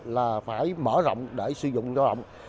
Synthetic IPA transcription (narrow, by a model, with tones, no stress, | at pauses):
laː˨˩faː˧˩jməː˧˩zɔ̰˧˨wŋ͡mɗe˧˩sɨ˨˧˦zʊ̰˧˨ŋ͡mzɔː˧˦zə̰˧˨wŋ͡m